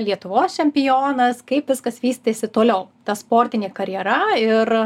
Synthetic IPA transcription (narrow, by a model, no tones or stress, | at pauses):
lʲiɛt̪ʊʋoːst͡ʃʲɛmʲpʲɪjoːnɐskɐɪpʋʲɪskɐsʋʲiːst̪ʲeːsʲɪt̪oːlʲɛʊt̪ɐspoːɾʲt̪ʲɪnʲeːkɐɾʲjɛɾɐɪr